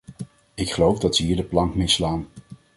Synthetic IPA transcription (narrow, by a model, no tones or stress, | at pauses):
ɪkχəlowvdɑtsəɦiːɹdəplɑŋkmɪslaːn